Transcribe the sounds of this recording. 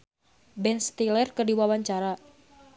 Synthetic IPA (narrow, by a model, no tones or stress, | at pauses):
bɛnst̪ilɛrkərdiwawaɲt͡ʃaɾa